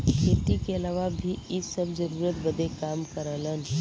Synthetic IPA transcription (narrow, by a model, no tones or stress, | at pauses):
kʰeːt̪ikeɐlaːʋabʱiɪsəbzəɾuːɾət̪bəd̪ekaːmkəɾələn